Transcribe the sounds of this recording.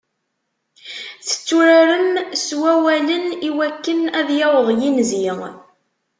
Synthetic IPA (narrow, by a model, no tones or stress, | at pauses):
θə̥t͡sːuɾaɾəmswæwæləniwækːənæðjɑwəðˤjinziʁ